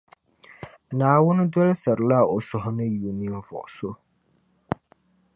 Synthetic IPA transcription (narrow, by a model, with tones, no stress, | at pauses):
naː˨wʊ˦nɪ˦dɔ˦lsɛ˨ɾla˦˨ɔ˨sɔ˨ɦnɨ˦ju˨ni˦ɱ˦vɔ̰˨ʔso˦